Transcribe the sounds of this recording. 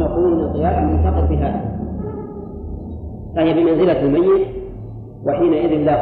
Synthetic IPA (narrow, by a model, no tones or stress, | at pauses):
aquːnːasˤɨjaːʔalmʊnt̪ɑqɨɾbɪɦa | ʔahɪjabɪmanzɪlaalmajːɪt̪ | waħiːnaʔɪðɪnla